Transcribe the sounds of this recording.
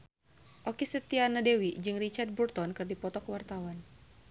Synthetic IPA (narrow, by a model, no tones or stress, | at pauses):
ʔokisət̪ianadɛwid͡ʒɨŋrit͡ʃard̪̚burt̪ɔnkɨrdipɔt̪ɔkəwart̪awan